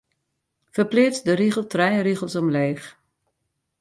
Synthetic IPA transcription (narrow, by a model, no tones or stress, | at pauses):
fərplɪːt͡sdəriɣəlˠtrɛjriɣəlˠsɔmleːx